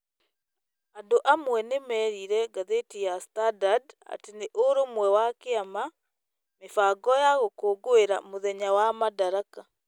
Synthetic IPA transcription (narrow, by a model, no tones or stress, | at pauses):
andoʔamwɛnemɛɾiɾɛɡaðetijastadada̰teneʔoɾomwɛwakeama | mefaɡɔjaɣokoːɡoeɾa̰moðɛɲawamadaɾaka